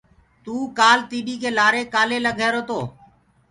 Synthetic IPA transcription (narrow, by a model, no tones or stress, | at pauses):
t̪uːkaːlt̪iːɓiːkʰeːlaːɾeːkaːleːləɡʱeːɾoːt̪oː